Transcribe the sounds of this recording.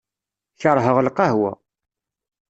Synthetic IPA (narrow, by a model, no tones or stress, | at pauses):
çəɾˤɦəʁlqɑɦwæ̰